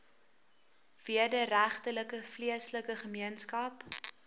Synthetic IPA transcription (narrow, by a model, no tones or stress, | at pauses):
v̥iədəɾæχtələkəfliəsləkəχəmiənskɐp